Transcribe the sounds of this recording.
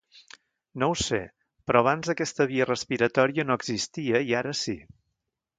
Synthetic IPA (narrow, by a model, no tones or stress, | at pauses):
nowsḛ | pɾɔəβ̞anzðəkɛst̪əβ̞iərəspiɾət̪ɔɾiənoəɡzist̪iəiaɾəsi